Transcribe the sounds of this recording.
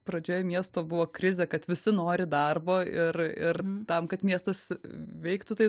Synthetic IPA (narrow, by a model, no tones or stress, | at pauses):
pɾɐd͡ʒʲoːjomʲiɛst̪oːbʊʋoːkɾʲɪzʲekɐt̪ʋʲɪsʲɪnoːɾʲɪd̪ɐrboːɪrɪ̰rt̪ɐmkɐt̪mʲiɛst̪ɐsʋʲɛɪkt̪ʊt̪ɐɪ